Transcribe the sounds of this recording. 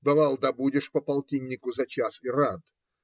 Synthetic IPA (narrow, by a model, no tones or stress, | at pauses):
b̪ɐvalˠd̪ɐbudʲɪʂpəpɐlˠtʲinʲːɪkʊzɐt͡ɕasɪɾat̪